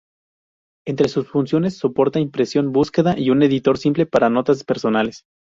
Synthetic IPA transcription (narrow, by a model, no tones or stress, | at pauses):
e̞nt̪ɾe̞susfunsjo̞ne̞sːo̞po̞ɾt̪aimpɾe̞sjo̞nbuske̞ðaʔiune̞ðit̪o̞ɾsimple̞paɾano̞t̪aspe̞ɾso̞nale̞s